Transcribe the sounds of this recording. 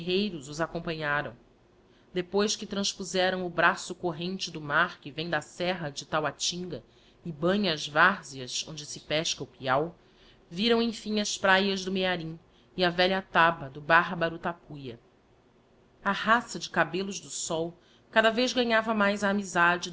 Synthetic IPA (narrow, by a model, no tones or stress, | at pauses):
ɦejɾʊzʊzakõmpɐ̃ɲaɾɐ̰̃w̃ | d̪epojskɪt̪ɾɐ̃sʃpuzɛɾɐ̃w̃ʊbɾasʊkoɦẽnt͡ʃɪd̪ʊmaɾkɪvẽj̃d̪ɐsɛɦɐd͡ʒɪt̪awat͡ʃĩŋɡɐ | ɪbɐ̃ɲɐːzvaɾziɐzõ̰nd͡ʒɪsɪpɛʃkɐʊpiaw | viɾɐ̃w̃ẽj̃fĩɲɐspɾajɐʒd̪ʊmeaɾĩ | iɐvɛʎɐt̪abɐd̪ʊbaɦbɐɾʊt̪apujɐ | ɐhasɐd͡ʒɪkabelʊʒd̪ʊsɔw | kad̪ɐvezɡɐɲavɐmajzɐːmizad͡ʒɪ